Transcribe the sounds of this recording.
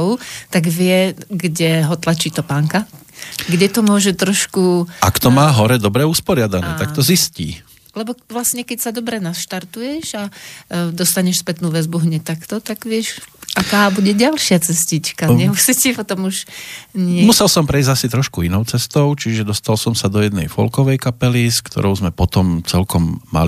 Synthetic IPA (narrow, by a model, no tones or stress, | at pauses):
ʊt̪aɡʋɪɛɡɟɛɦɔt̪lat͡ʃiːt̪ɔpaːŋkaɡɟɛt̪ɔmʊɔʒɛt̪ɾɔʃkuʔa̰kt̪ɔmaːɦɔɾɛd̪ɔbɾɛuspɔɾɪad̪anɛ̰ːt̪akt̪ɔziscḭː | lɛbɔʋlasɲɛkɛcsad̪ɔbɾɛnaʃt̪aɾt̪ujɛʒad̪ɔst̪aɲɛʃspɛt̪nuʋɛzbuɦɲɛt̪akt̪ɔt̪aɡʋɪɛʃʔakaːbuɟɛɟalʃɪat͡sɛscit͡ʃkaɲɛmusicipɔt̪ɔmuʒɲɪmusɛlsɔmpɾɛizɟasit̪ɾɔʃkuinɔʊt͡sɛst̪ɔʊt͡ʃiʒɛd̪ɔst̪alsɔmsad̪ɔjɛd̪nɛjfɔ̰lkɔʋɛjkapɛliskt̪ɔ̰ɾɔʊzmɛpɔt̪ɔmt͡sɛlkɔmːa̰li